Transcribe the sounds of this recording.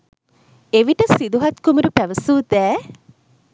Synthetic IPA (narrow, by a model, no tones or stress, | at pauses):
eʋiʈəsid̪uɦat̪kumuɾupæʋəsuːd̪æː